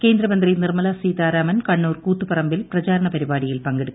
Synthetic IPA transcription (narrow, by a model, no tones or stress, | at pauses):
ke̞ːnd̪ɾɐmɐnd̪rinirmɐlɐsiːt̪aːɾaːmɐnkɐɳːuːrkuːt̪ːupɐrɐmbilprɐt͡ɕaːɾɐɳɐpɐɾibaːɽijilpɐŋɡeɽukː